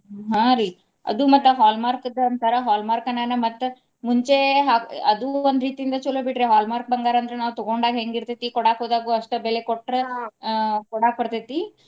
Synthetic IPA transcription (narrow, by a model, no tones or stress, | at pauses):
ɦãɾi | ɐ̰d̪umɐt̪ːɐɦaːlmaːɾkɐd̪ɐɐnt̪ʰɐɾɐɦaːlmaːɾkɐnaːnɐmɐt̪ː | muɲt͡ʃeɦaːɐd̪uond̪ɾiːt̪iind̪ɐt͡ʃulobiʈɾeɦaːlmaːɾk̚bɐŋɡaːɾɐnd̪ɐɾenaːʋut̪ɔɡoɳɖaːɡɦeŋɡiɾt̪et̪ːikɔɽaːkoːd̪aːɡuɐʂʈɐbɛlekoʈːɾɐ | kɔɽaːk̚pɐɾt̪et̪ːi